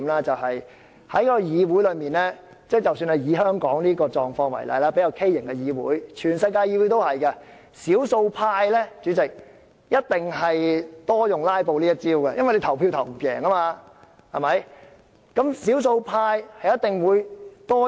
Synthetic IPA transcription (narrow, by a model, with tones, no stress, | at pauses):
mlaː˦˥t͡sɐ˨whɐ˨j | hɐ˨˥jkɔː˥ɔ˧jiː˨˧wu˨˥jlɵ˨˧ɥmiː˨nlɛ˥ | t͡sɛː˥˩t͡sɐ˨wsyː˧nhɐ˨jiː˨˥ɦœː˥ŋkɔː˨˥ŋliː˥kɔː˧t͡ʃɔː˨ŋfɔː˧ŋwɐ̰˨˩jlɐ̰˨˧jlaː˥pe˨˥jɐ˨˧wkʰe˥jːɪ˨˩ŋkɛ˧jiː˨˧wṵː˨˥jt͡ʃʰyː˨˩nsɐ˧jkaː˧jiː˨˧wu˨˥jt̪o˥whɐ˨jkɐ˧ | siː˨˥wso˧wpʰaː˧jlɛː˥t͡ʃyː˨˥t͡sɪ˨k̚ | jɐ˥t̚t̪ɪ˨ŋɦɐ˨jt̪ɔː˥jʊ˨ŋlaː˥jpo˧wliː˥jɐ˥t̚t͡siː˥wkɐ˧jɐ˥nwjle˧t̪ʰɐ˨˩wpʰi˧wt̪ʰɐ˨˩wm˩pjɛ̰ː˨˩ŋɐ˥maː˧ | hɐ˨mɐ˨˥j | kɐ˨˥msi˨˥ws̬o˧wpʰaː˧jhɐ˨jɐ˥t̪ɪ˨ŋwuː˨˧jt̪ɔː˥